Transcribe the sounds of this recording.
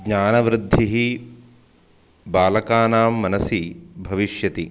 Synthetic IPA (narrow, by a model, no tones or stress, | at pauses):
ɡɲaːnɐʋɾɪd̪ʱːiɦi | baːlɐkaːnaːmːɐnɐsibʱɐʋiʃjɐt̪i